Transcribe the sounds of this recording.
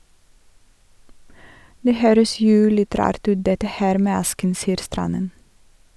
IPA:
ˈdeː ˈhøːɾəs ˈjuː ˈlɪt ˈɾɑːɾt ˈʉːt ˈdɛtə ˈhæːɾ ˈmeː ˈɑskn̩ ˈsiːəɾ ˈstɾɑnən

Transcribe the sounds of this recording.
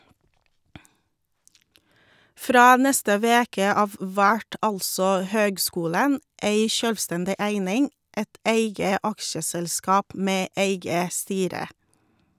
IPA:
ˈfɾɑː ˈnɛstə ˈʋeːkə ˈɑːʋ ˈʋæʈ ˈɑlsɔ ˈhøːɡˌskuːlən ˈeɪ ˈʃœlʋˌstɛndɪ ˈæɪnɪŋ ˈɛt ˈeɪɡə ˈɑkʃəsɛlˌskɑːp ˈmeː ˈeɪɡə ˈstyːɾə

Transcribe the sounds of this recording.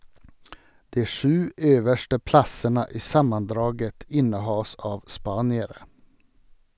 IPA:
ˈdiː ˈʃʉː ˈøːʋəʃtə ˈplɑsənə ˈiː ˈsɑmənˌdɾɑːɡət ˈɪnəˌhɑːs ˈɑːʋ ˈspɑːnɪəɾə

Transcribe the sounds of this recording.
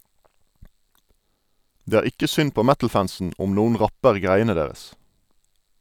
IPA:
ˈdeː ˈæːʁ ˈɪkə ˈsʏn ˈpoː ˈmætl̩ˌfænsn̩ ˈʊm ˈnuːən ˈʁɑpəʁ ˈɡʁæɪənə ˈdeːʁəs

